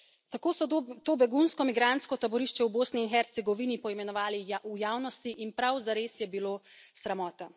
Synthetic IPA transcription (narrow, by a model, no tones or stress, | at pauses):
t̪akoːsɔt̪oːbɛɡunskɔmiɡɾant̪skɔt̪abɔɾiʃt͡ʃɛwboːsniːnxɛɾt̪sɛɡɔʋinipɔimɛnɔʋaːliujaːwnɔst̪iʔinpɾawzaɾeːsjɛbiloːsɾɛmɔːt̪a